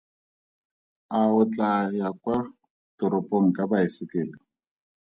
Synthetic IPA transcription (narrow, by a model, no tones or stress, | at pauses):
aʊt͡ɬʼajakwa | tʊɾopʼoŋ̩kʼabaisɪkɪːlɔ